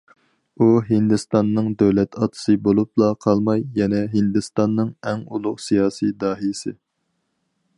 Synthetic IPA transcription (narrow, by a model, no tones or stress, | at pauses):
uɦɪnd̪ɨst̪ɑnːɨŋd̪øwlɛt̪ʰɑt̪ʰɨ̥sɨbolˠup̚lˠɑqʰɑlˠmɑjːɛnɛɦind̪ɨst̪ɑnːɨŋɛŋulˠʊqsijɑːsid̪ɑːɦilɪsɪ̰